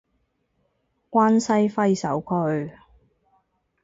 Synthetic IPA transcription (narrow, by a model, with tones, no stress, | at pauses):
kʷaː˥nsɐ˥jfɐ˥jsɐ˨˥wkʰɵ˨˧ɥ